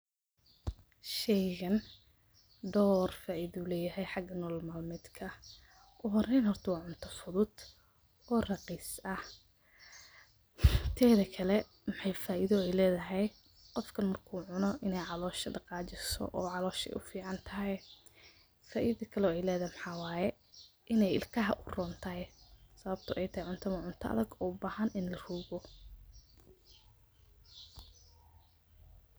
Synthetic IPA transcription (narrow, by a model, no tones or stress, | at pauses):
ʃɛjɣɐn | d̪ɔːrfaːʔɪðuːlɛːjɐɦɛjħɑɡɐnɔːlmɐlmɪd̪kʰɐ | ʔʊɦɔrɛjnhɔrt̪ʰɐwɑːʕʊnt̪ʰɔfʊðʊd̪̥ | ʔɔːrɑqiːsɐh | t̪ʰɛːðɐkʰɐlɛ | mɪħɑjfaːʔɪðɔɛjlɛːðɐɦɛj | qɔfkʰɐnmɐrkʰuːʕʊnɔʔɪnɛjʕɑlɔːʃɐɖɑqɑːt͡ʃɪsɔ̰ʔɔːʕɑlɔːʃɛ̰jʔʊfiːʕɑnt̪ʰɐɦɛj | faːʔɪðɐkʰɐlɛɔːɛjlɛːðɐhɛmħaːwɑːjɛ | ʔɪnɛjɪ̰lkʰɐɦɐʔʊrɔːnt̪ʰɐɛsɐβɐb̚t̪ʰʊʔɛjt̪ʰɐhɛjʕʊnt̪ʰɐmɐʕʊnt̪ʰɐʔɐ̰ðɐɡɔːbaːhɐnɪnlɐr̥uːɣɔ